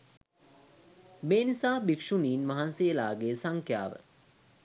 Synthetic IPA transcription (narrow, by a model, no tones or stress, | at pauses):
meːnisaːbikʂuniːnmaɦanselaːɡeːsaŋkʰja̰ːʋə̰